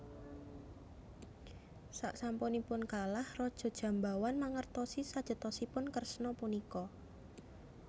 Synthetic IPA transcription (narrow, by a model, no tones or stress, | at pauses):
saʔsampɔnipʊnkalahrɔd̥ʒ̥ɔ̤d̥ʒ̥ä̤mbawanmaŋərt̪ɔsisad̥ʒ̥ə̤t̪ɔsipʊnkərsnɔpunikɔ